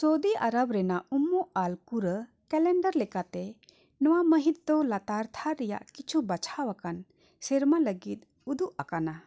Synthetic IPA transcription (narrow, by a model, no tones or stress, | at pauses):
sod̪iʔa̰ɾəbɾɛnaumːɔʔalkuɾə | kɛlɛɳɖəɾlɛkat̪ɛ | nɔwaməɦit̪̚d̪ɔlat̪aɾt̪ʰaːɛja̰ʔkit͡ʃʰubat͡ʃʰawakan | sɛɾmaləɡit̪̚ | ud̪uʔakana